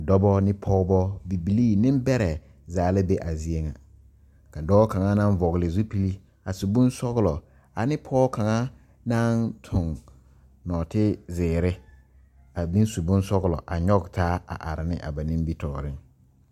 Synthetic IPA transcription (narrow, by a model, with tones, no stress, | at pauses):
dɔ˦bɔ˦nɪ˦pʰɔː˦bɔ˦bi˨bi˨li˦nɪ̃˦m˦bɛ˦ɾɛ˨ | zaː˨˦lɪ˦be˦ʔa˨zi˦e˦ŋa˨ | ka˨dɔ˦bɔ˦ka˨ŋa˦nã˦ɱ˦vɔ˨ɣlɪ˨zu˦pi˦li˦ | a˨su˨bũ˦nsɔ˦ɣlɔ˨ | a˨nɪ˦pʰɔː˦ka˨ŋa˦ | nã˦ntʰʊ̃˨ŋ | nɔː˨tɪ˦zɪː˨ɾɪ˦ | a˨bĩ˦n˦su˨bũ˦n˦sɔ˦ɣlɔ̰˨ʔa˨ɲɔ˦ɡtʰaː˦a̰˨ʔa˨ɾɪ˨nɪ˦ʔa̰˨ba˨nĩ˦mbi˦tʰɔː˨ɾɪ˦ŋ